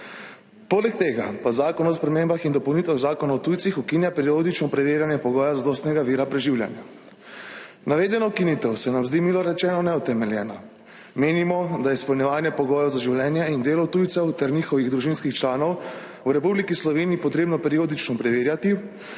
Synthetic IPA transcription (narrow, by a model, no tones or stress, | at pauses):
poːlɛk̚t̪eːɡa̰pazaːkɔnɔspɾɛmeːmbaxind̪ɔpɔwnit̪ʋaɣzaːkɔnaɔt̪ujt̪sixukinjapɛɾiod̪it͡ʃnɔpɾɛʋeːɾjanjɛpɔɡɔːjazad̪ɔːst̪nɛɡaʋiːɾapɾɛʒiwlʲja̰nja̰ | naʋeːd̪ɛnɔukinit̪ɛwsɛnamzd̪imilɔɾɛt͡ʃɛːnɔnɛut̪ɛmɛljɛːna | meːnimɔd̪ajɛspɔlnʲjɛʋaːnjɛpɔɡɔːjɔwzaʒiwlʲjɛːnjɛind̪eːlɔt̪ujt̪sɛwt̪ɛɾniːxɔʋiɣd̪ɾuʒinskixt͡ʃlaːnɔw | wɾɛpublikislɔʋeːniːpɔt̪ɾeːbnɔpɛɾioːd̪it͡ʃnɔpɾɛʋeːɾjat̪i